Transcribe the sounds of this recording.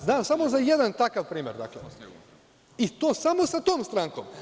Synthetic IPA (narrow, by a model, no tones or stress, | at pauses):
znaːmsamo̞zajed̪ant̪akaʋpɾiːmʲjeɾd̪a̰ːkle | it̪oːsamo̞sat̪oːmst̪ɾaŋkom